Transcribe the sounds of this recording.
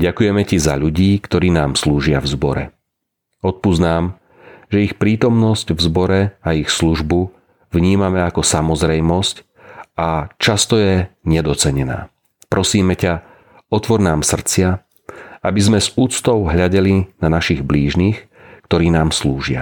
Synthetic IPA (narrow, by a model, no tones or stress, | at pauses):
ɟakujɛmɛciza̰ʎuɟiːkt̪ɔɾiːnaːmsluːʒɪavzbɔɾɛ̰ | ɔt̪̚puznaːm | ʒɛixpɾiːt̪ɔmnɔscvzbɔɾɛaixsluʒbu | vɲiːmamɛakɔsamɔzɾɛjmɔsc | at͡ʃast̪ɔjɛɲɛd̪ɔt͡sɛɲɛna̰ː | pɾɔsiːmɛca | ɔt̪ʋɔɾnaːmsr̩t͡sɪa | abizmɛzuːt͡st̪ɔʊɦʎaɟɛlinanaʃiɣbliːʒniːx | kt̪ɔɾiːnaːmsluːʒɪa̰